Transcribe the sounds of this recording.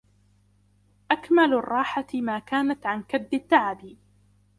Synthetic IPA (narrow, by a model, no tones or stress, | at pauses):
ʔakmalrˤːɑːħamaːkaːnat̪ʕankad̪ːɪt̪ːaʕabi